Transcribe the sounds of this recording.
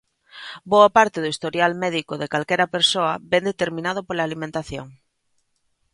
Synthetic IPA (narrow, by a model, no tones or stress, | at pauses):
boɐpaɾt̪eðoist̪oɾjalmɛðikoðekalkɛɾɐpeɾsoɐbɛnd̪et̪eɾmĩnaðopolaːlimẽnt̪aθjoŋ